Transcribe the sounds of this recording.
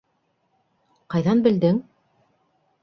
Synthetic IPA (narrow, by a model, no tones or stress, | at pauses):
qɑjðɑnbɘ̆ld̪ɘŋ